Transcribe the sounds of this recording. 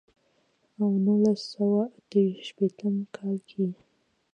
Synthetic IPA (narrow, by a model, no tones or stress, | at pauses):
awnulasawaat̪əwiʃʃpet̪əmkʰɑlkʰi